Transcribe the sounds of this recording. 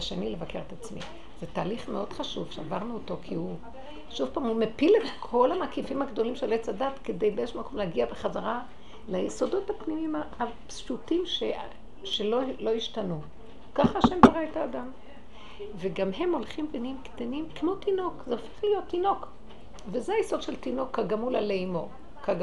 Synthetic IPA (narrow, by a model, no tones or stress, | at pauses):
aʃenilevake̞ʁet̪at͡smḭ | z̥etaːliχmeo̞d̥̪χaʃuv̥ʃeavaʁnuoto̞kʰihu | ʃuvpaːmumepiletkʰo̞lhamakifimhaɡdo̞limʃelet͡sadatkedejbeeʃmakʰo̞mleaɡiabeχazaʁa | lajeso̞do̞thapnimimaapstutimʃe | ʃelolo̞iʃtanu | kaχaːʃembaʁaetaːdam | veɡamɦe̞mo̞lχimbenimkt̪animkmo̞tino̞kzeofeχlijotːino̞k | vezeajesod̪ʃe̞ltino̞kːaɡamula̰leimo̞ | kaɡ